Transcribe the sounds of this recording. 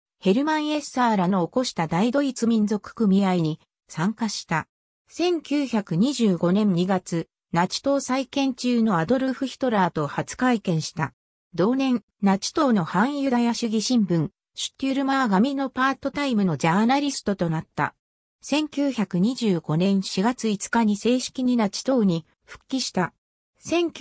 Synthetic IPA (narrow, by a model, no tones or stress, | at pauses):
he̞ɾɯ̟mãɰ̃e̞saːɾano̞ːko̞ɕi̥t̪ad̪aid̪o̞it͡sɨmʲĩnd͡zo̞kɯ̟̥kɯ̟mʲiaiɲ̟i | sãŋkaɕi̥t̪a | sẽ̞ŋkʲɨːçakɯ̟ɲ̟iʑɨːɡo̞nẽ̞ɲɲːiɡat͡sɨ | nat͡ɕi̥t̪o̞ːsaikẽ̞ɲ̟t͡ɕɨːno̞ad̪o̞ɾɯ̟ɸɯ̟çʲi̥t̪o̞ɾaːt̪o̞hat͡sɨ̥kaikẽ̞ɰ̃ɕi̥t̪a | d̪o̞ːnẽ̞n | nat͡ɕi̥t̪o̞ːno̞hãɰ̃jɯ̟d̪ajaɕɨɡʲiɕĩmbɯ̟̃ŋ | ɕɨ̥t̪ʲːɯɾɯ̟maɡamʲino̞paːt̪o̞t̪aimɯ̟no̞d͡ʑaːnaɾʲisɨ̥t̪o̞t̪o̞nat̪ːa̰ | sẽ̞ŋkʲɨːçakɯ̟ɲ̟iʑɨːɡ̥o̞nẽ̞ɰ̃ɕiɡat͡sɨit͡sɨ̥kaɲ̟ise̞ːɕi̥kʲiɲ̟inat͡ɕi̥t̪o̞ːɲ̟i | ɸɯ̟̥kʲːiɕi̥t̪a | sẽ̞ŋʲ